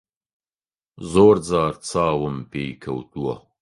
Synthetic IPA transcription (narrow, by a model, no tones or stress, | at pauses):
zoːɾd͡zaːɾt͡sʰaːwəmpeːkʰɐ̰wt̪uwɐ̰